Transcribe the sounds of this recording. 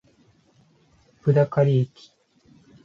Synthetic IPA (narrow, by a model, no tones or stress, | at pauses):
pɯ̟d̪akaɾʲiekʲi̥